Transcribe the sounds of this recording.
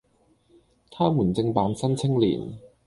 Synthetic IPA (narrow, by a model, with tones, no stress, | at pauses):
t̪ʰaː˥muː˨˩nt͡sɪ˧ŋpaː˨˥nsɐ˥nt͡sʰɪ˥ŋlḭː˨˩n